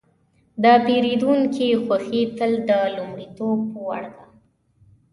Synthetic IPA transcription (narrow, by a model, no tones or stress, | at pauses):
d̪əpeɾid̪uŋkixwaxit̪əld̪əlumɽit̪ob̚ːəwa̰ɽd̪a